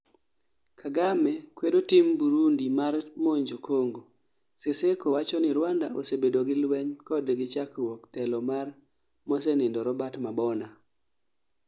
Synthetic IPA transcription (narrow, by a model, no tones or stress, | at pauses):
kʰaɡamɛkwedotɪmbuɾundimarmoɲd͡ʒokʰoŋɡo | sesekowat͡ʃɔnɪɾwandaʔo̰sebedoɡɪlwɛɲkɔdɡɪt͡ʃakwɔktɛlɔmar | mɔsɛnɪndɔɾɔbatmabɔna